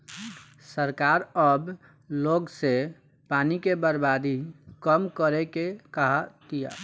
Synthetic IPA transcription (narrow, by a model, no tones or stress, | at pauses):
səɾkaɾəb | loɡse | panikebəɾbad̪ikəmkəɾekekaɦat̪ija̰